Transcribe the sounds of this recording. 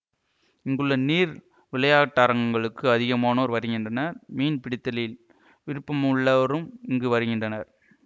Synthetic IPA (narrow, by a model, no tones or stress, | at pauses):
ɪŋɡɯɭːɐniːɾ | ʋɪlɐjaːʈːaːɾɐŋɡɐŋɡɐɭɯkːɯɐðɪɣɐmaːnoːɾʋɐɾɯɣɪndrɐnɐɾmiːnpɪɽɪt̪ːɐlɐjɪl | ʋɪɾɯpːɐmɯɭːɐʋɐɾɯmɪŋɡɯʋɐɾɯɣɪndrɐnɐɾ